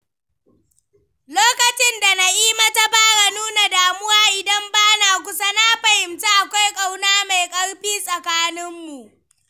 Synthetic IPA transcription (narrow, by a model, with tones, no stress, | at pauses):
loː˦kɐ˨t͡ʃɪ˦nda˨na˨ʔiː˦ma˦ta˦baː˦ɽa˨nuː˦na˨daː˨mʊ˦waː˦ʔɪ˨dɐ˦mbaː˦naː˨kʷʊ˦sa˦na˦ɸɐ˨hɪ˨mta˦ʔa˨kʷa˦jkʼa˦wnaː˦ma˨jkʼɐ˦ɽɸiː˦sʼɐ˨kaː˦nɪ˦mːu˨ʔ